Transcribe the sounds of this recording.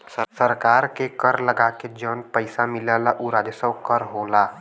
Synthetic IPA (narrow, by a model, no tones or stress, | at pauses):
səɾkaːɾkekəɾləɡaːked͡ʒəːnpəɪsamɪlaːlaʔuɾaːd̪esə̃wkəɾɦoːlaː